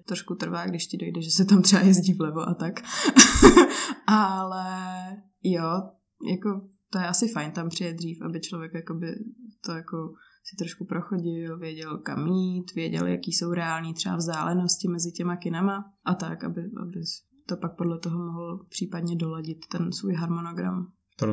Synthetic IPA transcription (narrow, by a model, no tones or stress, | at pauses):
t̪ɾoʃkut̪r̩vaːɡdɪʃcɪdo̞jdɛʒɛsɛt̪amt̪rɛa̰jɛzɟiːvlɛvoʔat̪ak | ʔalɛ | jo | jako | t̪ojɛʔasɪfajnt̪ampr̥ɪjɛd̪r̝iːfʔabɪt͡ʃlovjɛkjakobɪt̪ojako | sɪ̥t̪ɾoʃkupɾoxoɟɪlvjɛɟɛlkamit̪vjɛɟɛ̰lja̰kiːso̞wɾɛaːlɲiːt̪r̥ɛa̰vzdaːlɛnoscɪmɛzɪcɛmakɪnamaʔat̪akʔa̰bɪʔa̰bɪ | t̪opak̚po̞dlɛt̪oɦomoɦl̩pr̥iːpadɲɛdolaɟɪt̪ːɛnsvujɦaɾmonoɡɾa̰m | t̪